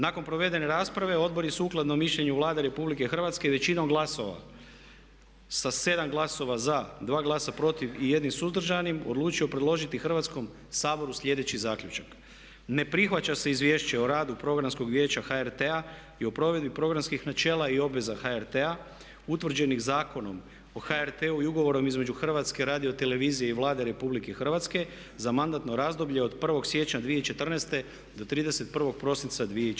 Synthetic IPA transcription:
nako̞npɾo̞ʋe̞d̪e̞ne̞ɾaːspɾaʋe̞o̞d̪̚bo̞ɾisuuklˠad̪nomiʃʎe̞ɲuʋlˠaːd̪eɾe̞publike̞xr̩ʋat̪ske̞ʋe̞t͡ɕinomɡlˠaso̞ʋa̰ | sase̞d̪amɡlˠaso̞ʋazad̪ʋaːɡlˠaːsapɾo̞t̪iʋije̞d̪nimsuzd̪r̩ʒanimo̰d̪lˠuːt͡ʃio̞pɾe̞d̪lo̞ʒit̪ixr̩ʋat̪sko̞m | saːbo̞ɾusʎʲe̞d̪e̞t͡ɕizaːkʎʲut͡ʃak | ne̞pɾixʋat͡ɕase̞izʋje̞ːʃt͡ɕeoɾaːd̪upɾo̞ɡɾansko̞ɡʋje̞ːt͡ɕaxaeɾt̪ea | io̞pɾo̞ʋe̞d̪bipɾo̞ɡɾanskixnat͡ʃe̞ːlˠaio̞bʋe̞zaxaeɾt̪ea | ut̪ʋr̩d͡ʑe̞nixzaːko̞no̞m | o̞xaeɾt̪euiuɡo̞ʋo̞ɾo̞mizme̞d͡ʒuxr̩ʋat̪ske̞ɾaːd̪io̞t̪e̞le̞ʋiːzije̞iʋlˠaːd̪e̞ɾe̞publikexr̩ʋat̪ske̞ | zamand̪at̪no̞ɾazd̪o̞bʎe̞o̞d̪pr̩ʋo̞ɡsje̞t͡ɕɲad̪ʋije̞t͡ʃe̞t̪r̩nest̪e̞ | d̪o̞t̪ɾiːd̪e̞se̞t̪̚pr̩ʋo̞ɡ̚pɾo̞sint̪sad̪ʋije

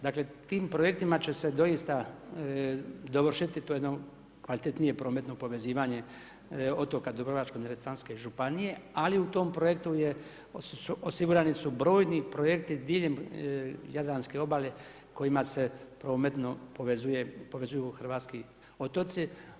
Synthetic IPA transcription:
d̪akle̞t̪iːmpɾoje̞k̚t̪imat͡ɕe̞sed̪o̞jist̪a | d̪o̞ʋr̩ʃit̪it̪ojed̪no | kʋalit̪et̪nije̞pɾo̞ːmet̪no̞po̞ʋe̞ziːʋaɲe̞ | o̞t̪o̞kad̪obɾoʋat͡ʃkoneɾet̪ɾanskeʒupanije̞aliut̪o̞mpɾo̞je̞kt̪uje | suʔosiɡuɾanisubɾo̞ːjnipɾoje̞kt̪id̪iːʎem | jad̪lanske̞o̞bale | ko̞jimase̞pɾo̞ːmet̪nopoʋezujepo̞ʋe̞zujuxr̩ʋaːt̪ski | o̞t̪o̞t̪si

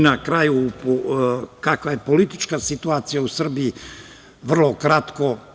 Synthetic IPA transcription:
nakɾaːjup | kakʋaje̞po̞lit̪i̥t͡ʃkasit̪uaːt̪sijausr̩bii | ʋr̩lˠo̞kɾat̪ko̞

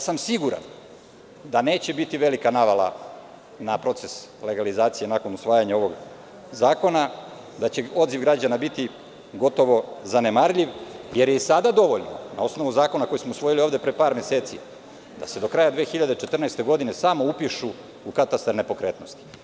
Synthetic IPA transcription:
samsiɡuɾa̰n | d̪ane̞ːt͡ɕe̞bit̪iʋe̞likanaʋalˠa̰ | napɾo̞t̪se̞sle̞ɡalizaːt̪sije̞nakonusʋaːjaɲao̞ʋo̞ɡ | zaːko̞na | d̪at͡ɕe̞o̞d̪ziʋɡɾad͡ʑanabit̪i | ɡo̞t̪o̞ʋo̞zane̞maɾʎiʋjeɾjesad̪ad̪o̞ʋo̞ʎno̰na̰o̞sno̞ʋuzaːko̞nako̞jismousʋo̞jilio̞ːvd̪e̞pɾepaːɾme̞se̞ːt̪sḭ | d̪a̰se̞d̪o̞kɾajad̪ʋeːxiʎad̪e̞t͡ʃe̞t̪r̩nɛːst̪e̞ɡo̞d̪ine̞samo̞upiʃu | ukat̪ast̪aɾne̞po̞kɾe̞ːt̪no̞st̪i̥

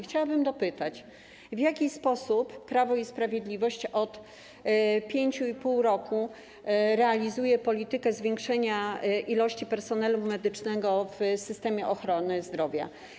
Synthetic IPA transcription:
xt͡ɕawabɘmd̪ɔpɘt̪at͡ɕ | vʲjakʲispɔsupːɾavɔispɾavʲjed̪lʲivɔɕt͡ɕɔt̪ | pʲjeɲt͡ɕuipuwɾɔku | ɾɛalʲizujɛpɔlʲit̪ɘkɛzvʲjɛŋkʂɛɲaʔilɔɕt͡ɕipɛɾsɔnɛlumɛd̪ɘt͡ʂnɛɡɔvsɘst̪ɛmʲjɛʔɔxɾɔnɘzd̪ɾɔvʲja̰

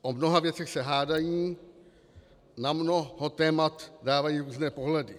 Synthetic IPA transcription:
ʔomnoɦavjɛt͡sɛxsɛɦaːdajiː | namnohot̪ɛːmat̪daːvajiːɾuːznɛːpoɦlɛdɪ

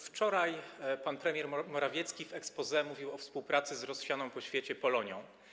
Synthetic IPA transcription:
ft͡ʂɔɾajpanpɾɛmʲjɛɾmɔɾavʲjɛt̪skʲivɛkspɔzɛmuvʲiwɔfspuwpɾat̪sɘzɾɔsɕʲjanɔ̃w̃pɔɕfʲjet͡ɕɛpɔlɔɲjɔ̃w̃

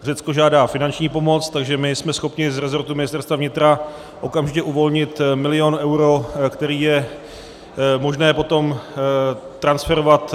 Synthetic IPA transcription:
r̝ɛt͡sko̞ʒaːdaːfɪnant͡ʃɲiːpo̞mo̞t͡st̪aɡʒɛmɪsmɛsxo̞pɲɪzɾɛzo̞ɾt̪umɪnɪst̪ɛɾst̪vavɲɪt̪ɾa | ʔo̞kamʒɪcɛʔuvo̞lɲɪt̪mɪlɪjo̞nʔɛwɾo̞kt̪ɛɾiːjɛ | mo̞ʒnɛːpo̞t̪o̞m | t̪ɾansfɛɾo̞vat̪

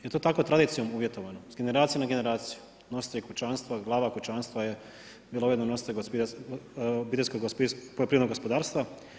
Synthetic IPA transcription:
jet̪ot̪ako̞t̪ɾad̪iːt̪sijo̞muʋjet̪oʋanozɡe̞ne̞ɾaːt̪sijenaɡene̞ɾaːt̪siju̥ | nosi̥t̪aekut͡ʃanst̪ʋaɡlˠaːʋakut͡ʃaːnst̪ʋaje | bilˠoujed̪nono̞sit̪eopi | bit̪eskoɡosppojopɾinoɡospod̪aːɾst̪ʋa

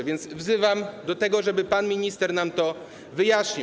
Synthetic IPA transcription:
vʲjɛnd̪svzɘvamd̪ɔt̪ɛɡɔʐɛbɘpanmʲiɲist̪ɛɾnamt̪ɔ | vɘjaɕɲi

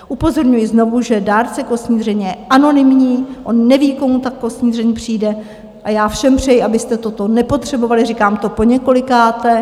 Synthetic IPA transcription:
ʔupo̞zo̞ɾɲujɪzno̞vuʒɛdaːɾt͡sɛkosɲiːrɛɲjɛʔano̞nɪmɲiːʔo̞nːɛviːko̞mut̪akːo̞sɲiːrɛɲpr̝̥iːdɛ | ʔajaːfʃɛmpr̝̥ɛjɪabɪst̪ɛt̪o̞t̪o̞nɛpo̞t̪r̝̥ɛbo̞valɪrikaːmt̪o̞po̞ɲɛko̞lɪkaːt̪ɛ

